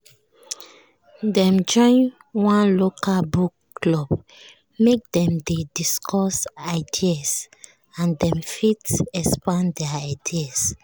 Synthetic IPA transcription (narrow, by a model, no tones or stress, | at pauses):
dɛ̃md͡ʒɔ̃ɪ̃n | wãnlokʰalbukːlɔb | mek̚dɛ̃mdediskʰɔsaɪdias | ãndɛ̃mfitɛspãndɛaaɪdias